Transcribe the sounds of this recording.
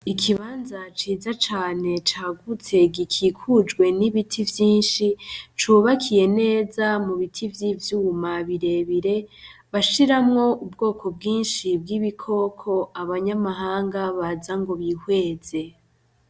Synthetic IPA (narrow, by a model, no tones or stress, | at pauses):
ikʰiβaːnzat͡ʃiːzat͡ʃaːne̞t͡ʃaːɡut͡se̞ɡikʰiːkʰud͡ʒɡwe̞niβitʰivjiːnʃit͡ʃuβakʰije̞ne̞ːzamuβitʰivjivjuːumaβiɾe̞βiɾe̞βaʃiɾamŋo̞ubɡo̞ːkʰo̞b̚ɡiːnʃib̚ɡiβikʰo̞kʰo̞aβaɲamaɦaːŋɡaβazaŋɡo̞βihwe̞ːze̞